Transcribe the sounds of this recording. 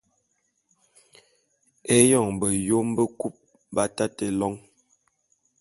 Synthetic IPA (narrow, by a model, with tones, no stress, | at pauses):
e˦jɔ˨ŋbə˨jo˦m˦bə˦ku˦p̚ | ba˦ta˦tə˨lɔ˦ŋ